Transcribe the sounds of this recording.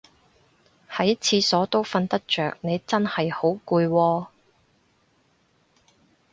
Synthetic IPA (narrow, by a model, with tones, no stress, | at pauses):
hɐ˨˥jɐ˥t͡sʰiː˧sɔː˨˥t̪o˥wfɐ˧nt̪ɐ˥k̚t͡ʃœː˨k̚ne˨˧jt͡sɐ˥nhɐ˨jho˨˥wkuː˧jwɔː˧